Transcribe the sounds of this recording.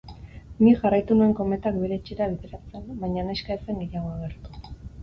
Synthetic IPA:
niʝarajt̪unue̞ŋko̞me̞t̪ak̚be̞ɾe̞t͡ʃiɾaβiðe̞ɾat͡se̞nbajɲaneskaese̞ŋeʎaɣ̞oaɣ̞e̞ɾt̪u̥

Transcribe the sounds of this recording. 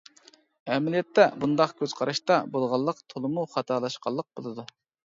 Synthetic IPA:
ɛmlijɛt̪ːɛbund̪ɑqkʲʰøz̥qʰɑɾɑʃt̪ɑbolˠʁɑlˠːəqt̪ʰolˠɨmuχɑt̪ʰɑːlˠɑʃqʰɑlˠːəq̚bolˠɨd̪u

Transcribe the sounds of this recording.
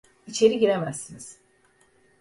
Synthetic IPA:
it͡ʃʰe̞ɾiɟiɾemæzːiniz̥

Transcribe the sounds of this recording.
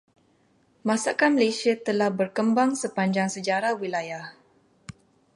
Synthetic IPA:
mãsakanməlesiat̪əlahbərkəmbaŋsəpaɲd͡ʒaŋsəd͡ʒaɾahwilajah

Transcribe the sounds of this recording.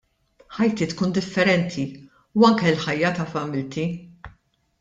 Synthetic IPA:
ħɐjt̪iːt̪kuːnd̪ɪfːɛɾɛnt̪ʰi | uɐŋkɛlħɐjːɐt̪ɐfɐmɪlt̪i

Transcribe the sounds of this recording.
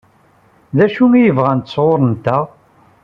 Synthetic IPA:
ðæʃuŋijəvʁænt̪əsˤʁoɾˤənt̪ːæʁ

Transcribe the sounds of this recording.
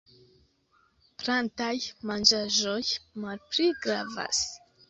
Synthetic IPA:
plantajmand͡ʒaʒojmalpliɡɾava̰s

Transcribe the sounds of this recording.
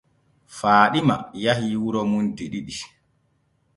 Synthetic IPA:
faːɗima̰jaɦiwuɾɔmundiɗiɗi

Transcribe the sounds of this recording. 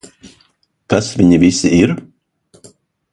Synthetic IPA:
kasvʲiɲivʲisiiɾ

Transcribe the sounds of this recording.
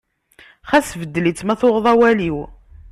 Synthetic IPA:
χæsvəd̪ːlit͡sːmæθoʁðˤɑwæliw

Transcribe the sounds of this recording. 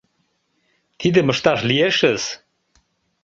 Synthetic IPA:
t̪id̪ə̆mə̆ʃt̪ɑʃlijeʃəz̥

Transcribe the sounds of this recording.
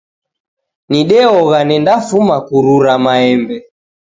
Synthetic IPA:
niɗɛɔɣanɛndafumakuɾuɾamaɛmbɛ

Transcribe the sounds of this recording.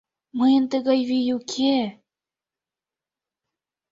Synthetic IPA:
mɤjə̆nt̪əɣɑjβijukʰe

